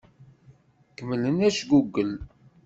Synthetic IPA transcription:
kəmələnæʃɡuɡːəl

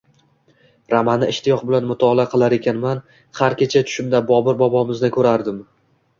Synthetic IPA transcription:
ɾamanɪɪʃt̪ɪjɒqbɪlanmʊt̪ʰɒːlˠaqʰɨlˠaɾe̞kʲʰanman | χaɾkʲet͡ʃʰat̪ʰʊ̥ʃɪmd̪abɒbɪɾbɒbɒmɪznɪkʲʰɵɾaɾd̪ɪm

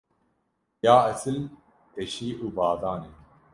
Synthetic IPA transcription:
jaːɐsɨl | eɕiːʔuːbaːd̪aːneː

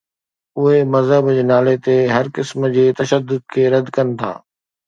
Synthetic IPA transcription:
ʊɦemɐzɦəbd͡ʑenaːlet̪eɦɐɾkɪsmd͡ʑeːt̪ɐʃəd̪ːʊd̪̚kʰeːɾɐd̪kɐn̆t̪ʰa̰ː

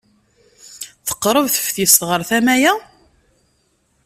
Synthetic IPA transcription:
θə̥qːɾˤəvθə̥fθist̪ʁəɾθæmæjæ

